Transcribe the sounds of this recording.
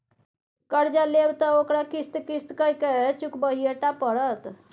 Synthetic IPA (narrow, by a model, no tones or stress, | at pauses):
kəɾd͡ʒalebt̪əokɾakist̪kist̪kəjket͡ʃukbəɦieʈapəɾət̪